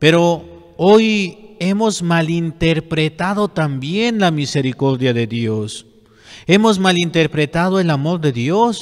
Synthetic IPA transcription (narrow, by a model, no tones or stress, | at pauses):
pe̞ɾo̞ | o̞je̞mo̞zmalint̪e̞ɾpɾe̞t̪aðo̞t̪ambje̞nlamise̞ɾiko̞ɾðjaðe̞ðjo̞s | e̞mo̞zmalint̪eɾpɾe̞t̪aðoe̞lamo̞ɾðe̞ðjo̞s